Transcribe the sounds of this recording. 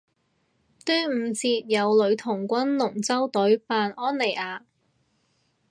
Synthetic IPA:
t̪ɵː˥m̩ː˨˧t͡siː˧t̚jɐ˨˧wlɵ˨˧ɥt̪ʰʊ˨˩ŋkʷɐ˥nlʊ˨˩ŋt͡sɐ˥wt̪ɵ˨˥ɥpaː˧nʔɔː˥nle˨˩jʔaː˨˧

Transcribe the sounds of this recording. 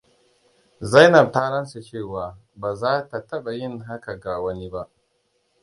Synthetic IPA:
za˦jnɐ˨taː˦ɽɐ˦nsa˨t͡ʃeː˦˨waː˨ | baː˨zaː˦ta˨tɐ˦ɓa˨jɪ˦˨ŋɦa˦ka˨ɡa˨wɐ˦ni˦ba˦ʔ

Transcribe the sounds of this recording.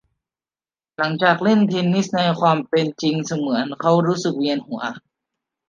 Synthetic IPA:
la˩˦ŋt͡ɕaː˨˩k̚le˥˨nt̪ʰi˧nːi˦˥sna˧jkʰwaː˧mpe˧nt͡ɕi˧ŋsa˧mɯ˩˦ə˦nkʰa˦˥˩wɾuː˦˥sɯ˨˩k̚wi˧ənhu˩˦ɐ

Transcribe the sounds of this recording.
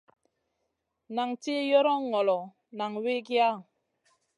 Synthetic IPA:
na˨ŋti˦jɔ˦ɾɔ˦ŋɔ˨lɔ˨ | na˨ŋwi˦kja˦˨

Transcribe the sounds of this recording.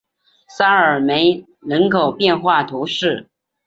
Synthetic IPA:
sa˥ə˞˨˩me˧˥ɪ | nə˧˥nkʰo˨˩ʊpjɛ˥˧nxwa˥˩t̪ʰu˧˥ʂɻ̩˥˩

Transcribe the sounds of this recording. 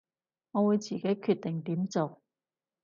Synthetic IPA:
ŋɔː˨˧wuː˨˧jt͡siː˨˩ke˨˥jkʰyː˧t̚t̪ɪ˨˩ŋt̪iː˨˥mt͡so˨w

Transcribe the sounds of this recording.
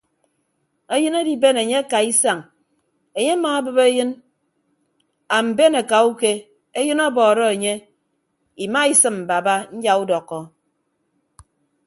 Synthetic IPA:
e˦jɨ˦ne˦di˨be˦ne˨ɲe˦a˦ka˨i˦sa˨ŋ | e˨ɲe˦a˦ma˨˦bɨ˨be˦jɨ˦n | a˨m̩˨be˦ne˨ka˨u˦ke˦ | e˦jɨ˦nɔ˦bɔː˨ɾɔ˦e˨ɲe˦ | i˨ma˦i˨sɨ˦mm̩˨ba˨ba˦n̩˦d͡ʒa˨u˦dɔ˨kːɔ˦

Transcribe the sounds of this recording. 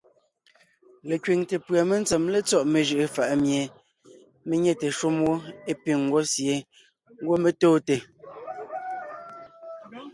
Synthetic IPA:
le˨kɥi˨ŋte˨pɰa˨me˦n˦t͡sɛ˨mle˦t͡sɔ˦ʔme˨ʒɯ˦ʔe˨fa˨ʔmje˨ | me˦ɲe˦te˨ʃu˦mwo˦e˦pi˦˨ŋ˨ɡwo˦sje˨˦ | ŋ˦ɡwo˦me˦toː˦te˨

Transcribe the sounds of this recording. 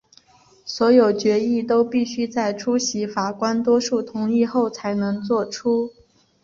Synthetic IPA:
swɔ˧˥jo˨˩ʊt͡ɕɥɛ˧˥i˥˩t̪o˥ʊpi˥˩ɕy˥t͡sa˥˩ɪʈ͡ʂʰu˥ɕi˧˥fa˨˩kwa˥nt̪wɔ˥ʂu˥˩t̪ʰʊ˧˥ŋi˥˧xo˥˩ʊt͡sʰa˧˥ɪnɤ˧˥ŋt͡swɔ˥˩ʈ͡ʂʰu˥

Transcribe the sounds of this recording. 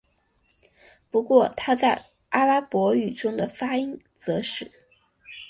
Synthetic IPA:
pu˧˥kwɔ˥˩t̪ʰa˥t͡sa˥˩ɪ | a˥la˥pwɔ˧˥y˨˩ʈ͡ʂʊ˥ŋd̪ə˨fa˥i˥ŋt͡sɤ˧˥ʂɻ̩˥˩

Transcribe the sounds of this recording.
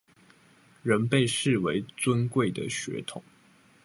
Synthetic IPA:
ɻə˨˦˥npe˥˧ɪʂɻ̩˥˨we˧˥ɪt͡swə˦nkwe˥˩ɪd̪ə̰˩ɕɥɛ̰˧˥t̪ʰʊ˨˩˦ŋ

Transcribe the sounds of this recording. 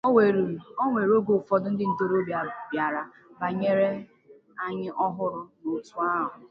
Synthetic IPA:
e˨ɾo˦ŋʷe˨ɾo˦ɡo˨fɔ˦dʊ˦n̩˦dɪ˦n̩˦do˦ɾo˦ba˨bja˨ɾa˨ | ba˨ɲe˦ɾe˦ | a˦ɲɪ˦ʔɔ˦ɦʊ˦ɾʊ˨no˨tu˦a˦ɦʊ˨

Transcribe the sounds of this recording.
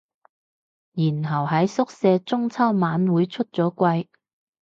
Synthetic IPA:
jiː˨˩nɦɐ˨˩wɦɐ˨˥jsʊ˥k̚sɛː˧t͡sʊ˥ŋt͡sʰɐ˥wmaː˨˥nwuː˨˥jt͡ʃʰɵ˥t̚t͡sɔː˨˥kʷɐ˧j

